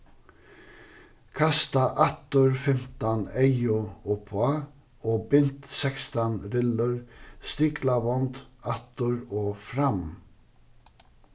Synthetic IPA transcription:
kʰɑst̪ɑʔɑt̪ʊɹfɛmt̪ɑneɪʊuːpʰʊɑ | oːbʏnt̪sɛkst̪ɑnɾɪləɹst̪iːkʰlɑʋɔnd̪ɑt̪ʊɹoːfɾɑm

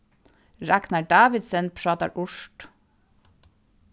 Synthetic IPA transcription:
ɹæknɑɖɑːʋɪd̪sənpʰɹɑːt̪ɑ̰ɾʔʊʃʈ

